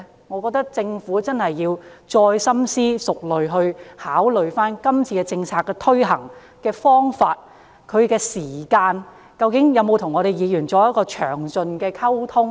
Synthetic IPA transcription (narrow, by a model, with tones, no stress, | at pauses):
ŋɔː˨˧kɔ˧k̚t̪ɐ˥k̚t͡sɪ˧ŋfuː˨˥t͡sɐ˥nhɐ˨jːiː˧wt͡ʃɔː˧jsɐ˥msiː˥sʊ˨k̚lɵ˨ɥɦɵ˧ɥhaː˨˥wlɵ˨ɥfaː˥nkɐ˥mt͡sʰiː˧kɛ˧t͡sɪ˧ŋt͡sʰaː˧kːɛː˧t̪ʰɵ˥ɥɦɐ̰˨˩ŋ | kɛː˧fɔː˥ŋfaː˧t̚ | kʰɵ˨˧ɥkɛː˧siː˨˩kaː˧n | kɐ˧wkɪ˨˥ŋjɐ˨˧wmo˨˧wt̪ʰʊ˨˩ŋɔː˨˧ɾe˨˩jiː˨˧jyː˨˩nt͡sɔː˨˥jɐ˥t̚kɔː˧t͡ʃʰœ̰ː˨˩ŋt͡sɵ˧nkɛː˧kʰɐ˥wt̪ʰʊ˥ŋ